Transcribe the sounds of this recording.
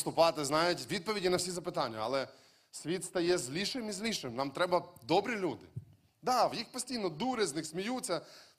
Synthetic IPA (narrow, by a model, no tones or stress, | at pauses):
st̪ʊpɑt̪ɪznɑjʊtʲʋʲid̪̚pɔʋʲidʲinɐwsʲizɐpɪt̪ɑnʲːɐɐ̰lˠɛ | sʲʋʲit̪st̪ɐjɛzʲlʲiʃɪmizʲlʲiʃɪmnɑmt̪ɾɛbɐd̪ɔbɾʲilʲud̪ɪ | d̪ɑwjixpɔsʲtʲijnɔd̪uɾɪznɪxsʲmʲijut͡sʲːɐ